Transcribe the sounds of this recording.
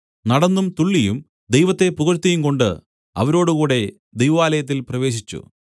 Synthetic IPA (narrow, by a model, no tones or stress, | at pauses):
nɐɽɐnːumt̪uɭːijum | d̪ejʋɐt̪ːe̞puɣɐɾt̪ːijumko̞ɳɖɨ̰ | ɐ̰ʋɐɾo̞ːɽukuːɽe̞ | d̪ejʋɐʋaːlɐjɐt̪̬ːilprɐʋe̞ːɕ̬it͡ɕːṵ